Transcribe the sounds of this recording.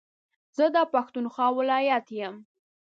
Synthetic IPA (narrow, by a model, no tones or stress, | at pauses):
zəd̪əpaxt̪unxɑwɪlɑjat̪jəm